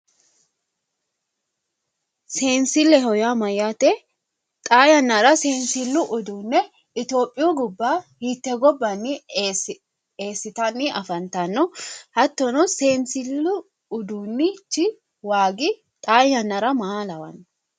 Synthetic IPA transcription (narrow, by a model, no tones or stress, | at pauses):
se̞ːnsɪlːɛɦɔjamɐjaːt̪ɛ | t̪ʼaːjɐnːɐɾɐseːnsɪlːʊʔʊd̪uːnːɛ | ɪt̪o̞ːpʼːɪjuːɡʊbːahit̪ːɛɡɔbːɐnːɪ | eːsːɪt̪ɐnːɪʔɐfɐnt̪ɐnːɔhɐt̪ːɔnɔse̞ːnsɪlːʊː | d̪uːnːɪt͡ʃːɪ | waːɡɪ | t̪ʼaːjɐnːɐɾɐmaːlɐwɐ̰nː